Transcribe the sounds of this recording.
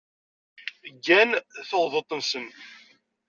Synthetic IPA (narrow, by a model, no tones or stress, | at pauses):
ɡːænθoʁðˤət̪ˤːənsəm